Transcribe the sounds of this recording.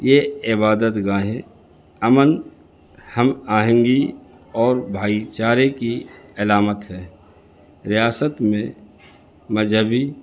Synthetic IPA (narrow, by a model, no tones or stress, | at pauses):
jeɪbaːd̪ət̪ɡãːɦẽ | əmən | həmaːɦə̃ŋɡi | ɔːɾbʱaːit͡ʃaːɾekiɪlaːmət̪ɦɛː | ɾɪjaːsət̪mẽ | məd͡ʒɦəbi